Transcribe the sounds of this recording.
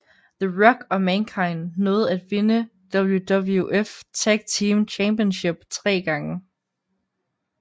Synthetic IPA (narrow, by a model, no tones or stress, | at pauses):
ðəʁɒ̽ɡ̥ɒ̽mænkʰɑ̈ɪnnɔ̽ːð̩ˠæd̥ʋe̝nəd̥ɒb̥l̩jud̥ɒbl̩ˠjuʔeft͡sʰæɡ̥̚t͡sʰiːmt͡ɕʰæmb̥iənɕe̝b̥t͡sʰʁɛ̰ːɡ̥ɑ̈ŋə